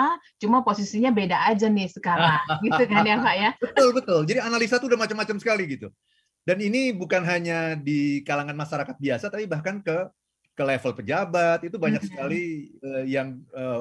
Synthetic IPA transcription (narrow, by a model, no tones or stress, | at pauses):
a | t͡ʃumaposisiɲabedaʔːd͡ʒanɪhsəkaɾaŋɡit̪ukanaŋɡaʔjabət̪ʊlbət̪ʊld͡ʒadianalisat̪uːdahmat͡ʃamːat͡ʃamsə̥kaliɡit̪u | daninibukanɦaɲadikalaŋanmaʃaɾakat̪̚biasat̪apibahkankə | kəlefəlpəd͡ʒabat̪̚it̪ubaɲak̚sə̥kaliəjaŋə